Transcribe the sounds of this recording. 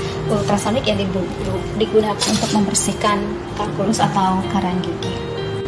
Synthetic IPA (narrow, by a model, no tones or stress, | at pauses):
ult̪ɾasanɪkjadibu | lu | diɡunakanunt̪ʊk̚məmbərsihkan | t̪akulʊsat̪awkaɾaŋɡiki